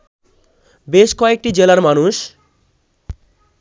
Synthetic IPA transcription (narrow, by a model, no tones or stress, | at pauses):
beʃkɔek̚ʈid͡ʑelaɾmanuʃ